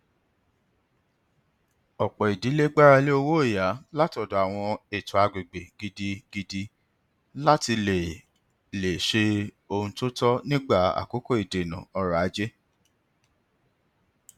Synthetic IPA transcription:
ɔ˨k͡pɔ˨i˨di˨˦le˦ɡ͡ba˦ɾa˧le˦o˧wo˦e˦˨ja˨˦la˦tɔ˨˧dɔ˨a˨w̃ɔ̃˧e˨tu˨a˧ɡ͡be˨ɡ͡be˨ɡ̥i˧di˧ɡ̥i˧di˧ | la˦ti˧le˨ | le˨ʃe˧ | o˧ũ˧to˦tɔ˦nĩ˦ɡ͡ba˦˨a̰˨ko˨˦ko˦˨i˨de˨nã̰˨ɔ˧ɾa˨a˨˦d͡ʒe˦

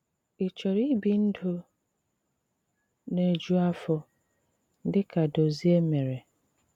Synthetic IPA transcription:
i˨t͡ʃe˨ɾi˦bi˨n̩˦dʊ˦ | ne˦d͡ʒu˦a˦fɔ˦ | dɪ˦ka˨do˨zi˦e˦me˨ɾe˨

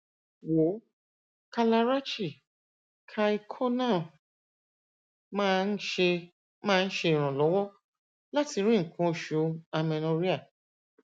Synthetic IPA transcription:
wo˨˦ | ka˧la˧ɾa˦t͡ʃi˦˨ | kʰa˧i˧kʰɔ˦nã˦˨ | mã˦˧n̩˦ʃe˧ | mãː˦˧˦ʃe˧ĩ˨ɾ̃ã˨lɔ˨˦wɔ˦ | la˦ti˧ɾ̃ĩ˦˨kʰũ˦˨ʃu˨˦a˧mɛ̃˧nõ˧ɾi˦a˦˨

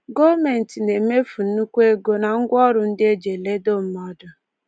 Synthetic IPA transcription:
ɡo˦me˨n̩˨ti˨ne˨me˦fu˨n̩˦u˦kʷe˦ɡo˦na˨ŋ̩˦ɡʷɔ˦ɾʊ˨n̩˦dɪ˦e˦d͡ʒe˨le˦do˦m̩˦mɔ˦dʊ˨

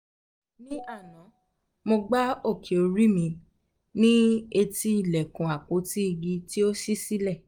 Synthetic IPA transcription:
nĩ˦a˦˨nã˨˦ | mo˧ɡ͡ba˦o˦˨kʰe˨o˨˧ɾi˦mĩ˧ | nĩ˦e˧ti˧˦i˦˨lɛ˨kũ˨a˨ko˨˦ti˦i˧ɡi˧ti˦o˦ʃi˦si˦lɛ˦˨

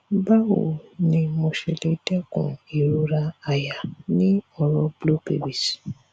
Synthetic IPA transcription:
ba˦wo̰˨nĩ˧mo˧ʃɛ˧le˧dɛ˦kṵ̃˨i˨ɾu˦ɾa˧a˨ja˨nĩ˦ɔ˧ɾɔ˧blo˦ke˨bi˨s

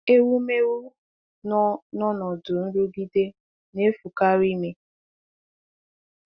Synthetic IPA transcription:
e˦wu˦me˦wu˦ | n˦nɔ˦nɔ˨dʊ˨n̩˦ɾu˦ɡi˦de˦ | ne˦fu˨ka˦ɾi˦me˨

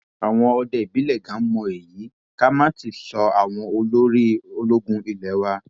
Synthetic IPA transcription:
a˨w̃ɔ̃˧ɔ˧dɛ˨bi˨˦lɛ˦˨ɡã˨˦mɔ̃˧e˨jiː˨˦ | ka˦mãː˦ti˧˨sɔ˧a˨w̃ɔ̃˧o˧lo˦ɾi˦o˧lo˦ɡũ˦i˨lɛ˨˦wa˦

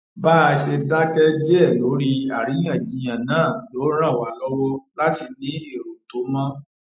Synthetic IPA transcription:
ba˦˧ʃe˧da˦kɛ˦d͡ʒɛ˦˨lo˨˦ɾi˦a˨ɾi˨˦jã˦˨d͡ʒi˨˦j̃ã˨nãː˦˨lo˨˦ɾ̃ã˦˨wa˨˦lɔ˦wɔ˦la˦ti˧nĩ˨˦e˦˨ɾo˨to˨˦mã˦

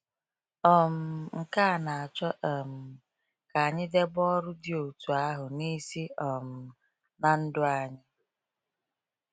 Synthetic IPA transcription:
ɔ˨m̩˨ŋ̩˨ka˦a˨na˨a˨t͡ʃɔ˦ʔɔ˨m̩˨ | ka˨a˨ɲɪ˦de˦ɡ͡bɔ˦ɾʊ˦dɪ˦o˨tu˨a˦ɦʊ˨ni˦si˦ɔ˨m̩˨ | na˨n̩˦dʊ˦a˨ɲɪ˦

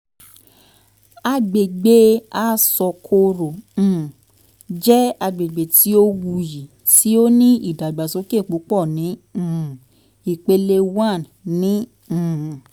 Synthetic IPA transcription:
a˧ɡ͡be˨ɡ͡be˦a˦sɔ˧kʰo˧ɾõ˨ | d͡ʒɛ˦a˧ɡ͡be˨ɡ͡be˨ti˦o˦wu˧ji˨ | ti˦o˦nĩ˦ḭ˦˨da˨ɡ͡ba˨so˨˦ke˦˨k͡pu˨˦k͡pɔ˦˨nĩ˨˦˨ | i˨k͡pe˧le˧wã˦˨ | nĩ˨˦˨

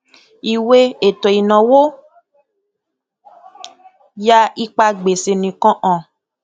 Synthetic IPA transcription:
i˨we˦e˨tɔ˨i˨nɔ̃˨wo˦ | ja˦i˦k͡pa˧ɡ͡be˨se˨nĩ˨kɔ̃˦ʔɔ̃˨

